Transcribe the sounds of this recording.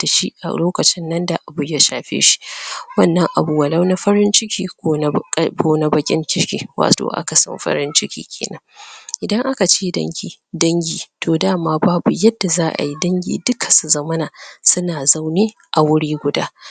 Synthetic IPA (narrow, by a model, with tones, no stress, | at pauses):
d̥a˨ʃḭ˦ʔa̰˨loː˦kɐ˨t͡ʃɪ˦nːɐ˦nda˨ʔa˨bʊ˨ja˦ʃaː˨ɸḛː˦ʃi̥˦wɐ˦nːɐ˦ŋʔa̰˨bu˨wɐ˨la˦wna˦ɸɐ˦ɾɪ˦nt͡ʃɪ˦kʲiː˨kʷːkʷoː˦na˨bɐ˦kʲʼɪ̰˦ŋkʲɪ˦ɾkʲḭː˨wa̰ː˨to̰˨ʔa̰˦ka˨sɐ̰˦mɸɐ̰˦ɾɪ˦nt͡ʃɪ˦kʲʰḭː˦kʲʰeː˨nɐ˦ŋʔɪ˨dɐ˦ŋʔa˦ka˨t͡ʃeː˦dɐ̰˦ŋɡʲiː˨ | dɐ˦ŋɡʲiː˨tʰoː˨daː˦˨maː˦baː˦bu˨jɐ˦dːa˨zaː˦ʔa̰˨ji˦dɐ˦ŋɡʲḭː˨dʊ˦kʰḁ˨su˨zɐ˦mɐ˦na˨sʊ˦naː˨za˦wniː˦ | ʔa˨wʊ˦ɽiː˦ɡʷʊ˨da̰ː˦